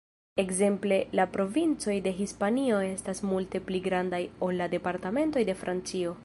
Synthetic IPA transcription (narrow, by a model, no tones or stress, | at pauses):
e̞kze̞mple̞lapɾo̞vint͡so̞jde̞ɦispanio̞e̞stasmulte̞pliɡɾandajo̞lːade̞paɾtame̞nto̞jde̞fɾʔant͡sio̞